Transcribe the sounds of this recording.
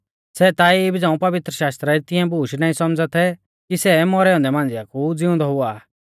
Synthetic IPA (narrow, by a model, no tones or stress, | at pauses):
sɛt̪aːiɪbid͡zãːũpɐʋɪt̪ɾəʃaːst̪ɾaɾit̪ɪ̃ɛ̃buːʃnaːĩsɔmd͡zat̪ʰɛ | kisɛmɔɾɛɔ̃nd̪ɛmãːnd͡zɪjakud͡zɪʊ̃nd̪ɔɦʊaː